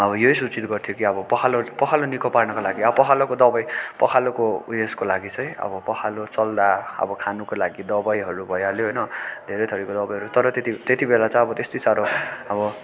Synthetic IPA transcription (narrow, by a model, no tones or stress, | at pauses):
ʌbʌjojsut͡sit̪ɡʌrt̪ʰijokiʌbʌpʌkʰalopʌkʰalonikʰoparnʌkolaɡiʌbʌpʌkʰalokod̪ʌbʌjpʌkʰalokojeskolaɡit͡sʰʌjʌ̰bʌpʌkʰalot͡sʌld̪aʌ̰bʌkʰanukolaɡid̪ʌbʌjɦʌɾubʱʌjaloɦojnʌd̪ʱeɾʌjt̪ʰʌɾikod̪ʌbʌjɦʌɾut̪ʌɾʌt̪et̪it̪et̪ibelat͡sʌ̃j̃ʌbʌt̪est̪ojt͡saɾoʌbʌ